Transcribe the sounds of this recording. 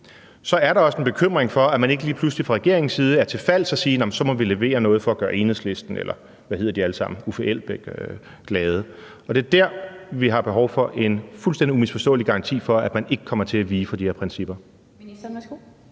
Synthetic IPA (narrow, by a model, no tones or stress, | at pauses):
sɒ̽æɐɾɑ̈ɒ̽səenb̥e̝kʰøm̰ʁeŋfɒ̽æmæne̝ɡ̥əliːpʰluslifʁɑ̈ʁɛɡ̥e̝ɐ̰eŋn̩siːð̞̩ˠəæɐt͡sʰe̝lfæl̰sɒ̽siːnɑmn̩sɒ̽mɒ̽ʋile̝ʋe̝̰ːɐnɔ̽ːð̞̩ˠfɒ̽ːɡ̥ɶːɐe̝ːnhesle̝sd̥n̩ḛlɐ | ʋæhe̝ð̰ˠɐd̥iæləsɑ̈m̰n̩ufɒʔel̰b̥eɡ̥ | ɡ̥lɛːð̞ˠə | ɒ̽d̥e̝ɐd̥æɐ̰ʋiɦɑ̈b̥e̝ɦɒʊfɒ̽ʔe̝nfulsd̥end̥iumisfɒsd̥ɔ̰̽ːliɡ̥ɑ̈ʁɑ̈nt͡sʰḭːfɒ̽æd̥mæne̝ɡ̥əkʰɒ̽mɐt͡sʰe̝æʋiːfɒ̽d̥ihe̝ɐpʰʁɛnsib̥ɐ